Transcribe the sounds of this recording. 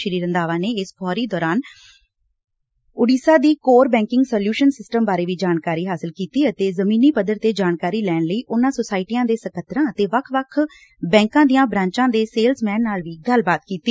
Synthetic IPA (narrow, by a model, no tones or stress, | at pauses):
ʃəɾiːɾə̃nd̪aːʋaːneːɪsfʰɔːɾiːd̪ɔːɾaːn | ʊɖiːsaːd̪iːkoːɾbɛ̃ːŋkɪŋɡsɔːljuːʃənsɪsʈəmbaːɾeːʋiːd͡ʒaːnkaːɾiːɦaːsəlkiːt̪iːət̪eːzəmĩːniːpəd̪əɾt̪eːd͡ʒaːnkaːɾiːlɛːnləiːʔʊnãːsosaːɪʈijãːd̪eːsəkʰət̪ɾãːət̪eːʋəkʰʋəkʰ | bɛ̃ːŋkãːd̪ijãːbɾãːɲt͡ʃãːd̪eːseːlsmɛ̃ːnnaːlʋiːɡəlbaːt̪kiːt̪iː